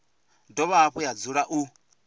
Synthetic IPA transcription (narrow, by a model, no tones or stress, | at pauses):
dɔβaːɸɔjad͡zuɺaʔu